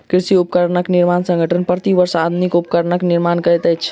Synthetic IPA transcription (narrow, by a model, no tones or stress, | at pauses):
kɾisiupəkəɾnəkniɾmansə̃ŋɡʱəʈʰənpɾət̪iʋəɾsad̪ʱunikupəkəɾnəkniɾmankəjt̪əjt͡ʃʰ